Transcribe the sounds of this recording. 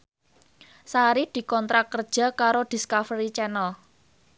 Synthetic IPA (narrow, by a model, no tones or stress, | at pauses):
saɾid̪̥i̤kɔnt̪ɾakːərd̥ʒ̥a̤kaɾod̪̥i̤skafɾit͡ʃɛnəl